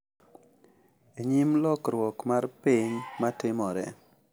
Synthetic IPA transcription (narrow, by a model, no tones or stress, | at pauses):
eɲimlɔkɾwɔkmarpiɲmatɪmɔɾɛ̰